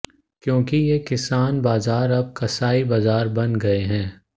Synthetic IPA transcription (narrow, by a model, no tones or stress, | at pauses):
kjõːkijekɪsaːnbaːzaːɾɐb̚kɐsaːibaːzaːɾbɐnɡɐeɦɛ̃ː